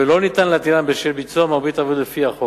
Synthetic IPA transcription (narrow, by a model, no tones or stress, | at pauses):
elo̞nit̪anlat̪ilanbeʃelbit͡suamaʁbit̪avud̪lefiaχo